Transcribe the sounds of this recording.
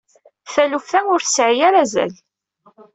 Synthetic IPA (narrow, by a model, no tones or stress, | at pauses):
θælufθænʊɾθsʕijaɾazæ̰l